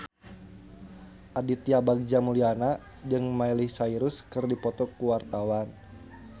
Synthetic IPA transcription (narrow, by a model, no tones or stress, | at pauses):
ʔadit̪iabaɡ̚d͡ʒamuliana | d͡ʒɨŋmailihsaiɾuskɨrdipɔt̪ɔkuwart̪awan